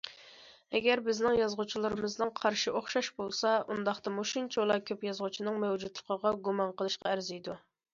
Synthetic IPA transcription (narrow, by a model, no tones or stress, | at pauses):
ɛɡʲɛɾbɪznɪŋjɑzʁʊt͡ʃʰilˠɨɾɨmɨznɨŋqʰɑɾʃiʔoχʃɑʃbolˠsɑund̪ɑχt̪ɑmuʃunt͡ʃʰolˠɑkʲʰøpjɑzʁut͡ʃʰinɨŋmɛwd͡ʒud̪lˠə̥qʰəʁɑɡumɑnqəlˠɨʃqɑæɾzijd̪u